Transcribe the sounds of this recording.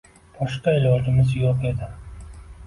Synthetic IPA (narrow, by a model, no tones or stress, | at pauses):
b̥ʰɒʃqaɪlɒd͡ʒɪmɪzjɒqe̞d̪ɪ